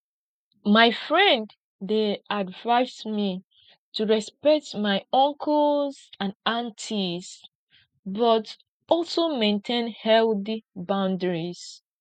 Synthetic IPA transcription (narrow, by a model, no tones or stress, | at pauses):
maɪfɹɛ̃nd | deʔadvaɪsmi | tuɹɛspɛk̚tmaɪɔ̃ŋkʰɔlzãnãntʰiz | bɔt | ɔlˠsomẽntʰẽnhɛlθibãʊ̃ndəɹiz̥